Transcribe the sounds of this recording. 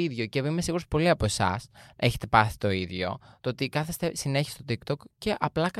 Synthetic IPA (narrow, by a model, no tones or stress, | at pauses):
iðʝo̞cevimesiɣuɾospo̞liɐpo̞e̞sɐ̰se̞çet̪e̞pɐsi̥t̪o̞iðʝo̞̰t̪oot̪ikɐθest̪esine̞çi̥st̪ot̪ikt̪o̞kce̞ʔɐplɐkɐ